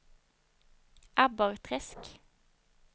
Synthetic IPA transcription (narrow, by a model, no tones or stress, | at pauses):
ʔæbɑʁt̪ʰʁɛsk